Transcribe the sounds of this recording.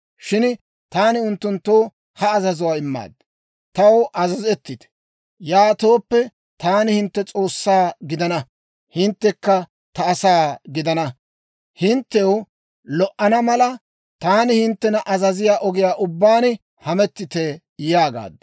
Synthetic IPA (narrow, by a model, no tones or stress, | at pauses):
ʃɪn | t̪aːnɪʊnt̪ːʊnt̪ːoː | hɐːzɐzʊwaːɪmːa̰ːd̪ | t̪ɐwʔɐzɐzɛt̪ːɪt̪ɛ̥ | jaːt̪o̞ːpːɛ | t̪aːnɪhɪnt̪ːɛt͡sʼo̞ːsːaːɡɪd̪ɐnɐ | hɪnt̪ːɛkːɐ | t̪ɐːsaːɡɪd̪ɐnɐ | hɪnt̪ːɛw | lɔʔɐnɐmɐlɐ | t̪aːnɪhɪnt̪ːɛnɐʔɐzɐzɪjaːʔɔɡɪjaːʔʊbːaːn | hɐmɛt̪ːɪt̪ɛ | jaːɡa̰ːd̪ː